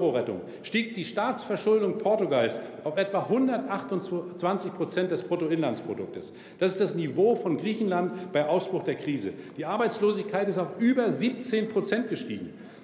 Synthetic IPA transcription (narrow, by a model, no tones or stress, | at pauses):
ʁoʁɛtʊ̰ŋ | ʃtiːkd̥iːʃtaːt͡sfɛɐʃʊldʊŋpʰɔɐtuɡalsaʊfʔɛtv̥aɦʊndɐtʔaχtʊnt͡sv̥ant͡sɪçpʁ̥ot͡sɛnt̚d̥ɛspʁ̥otoɪnlant͡spʁ̥odʊ̰k̚təs | d̥asɪstd̥asnivoːfɔnɡʁiːçn̩lantb̥aɪʔaʊsb̥ʁʊχd̥eːɐkʁ̥iːzə̰d̥iːʔaɐbaɪt͡sloːzɪçkʰaɪtɪstaʊfʔyːbɐziːp̚t͡seːnpʁ̥ot͡sɛnt̚ɡ̥əʃtḭːɡŋ̩